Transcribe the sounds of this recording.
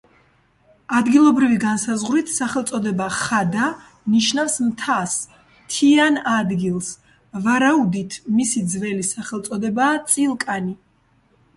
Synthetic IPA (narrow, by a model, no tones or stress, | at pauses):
ad̪ɡilˠɔbɾiviɡansazʁɾit̪ʰsaχɛlˠt̪sʼɔd̪ɛbaχad̪a | niʃnafsmt̪ʰas | t̪ʰianad̪ɡilˠs | vaɾaud̪it̪ʰmisid̪zvɛlisaχɛlt̪sʼɔd̪ɛbaːt̪sʼilˠkʼani